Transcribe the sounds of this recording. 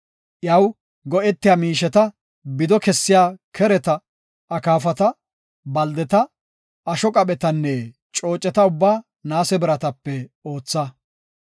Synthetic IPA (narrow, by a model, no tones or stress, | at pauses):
ʔjɐw | ɡɔʔɛt̪ːɪjaːmiːʃɛt̪ɐ | bɪd̪ɔkɛsːɪjaːkʰɛɾɛt̪ɐ | ɐkaːfɐt̪ɐ | bɐld̪ɛt̪ɐ | ɐʃɔkʼɐpʼɛt̪ɐnːɛ | t͡ʃʼo̞ːt͡ʃʼːɛt̪ɐʊbːaː | naːsɛbɪɾɐt̪ɐpːɛoːt͡sːɐ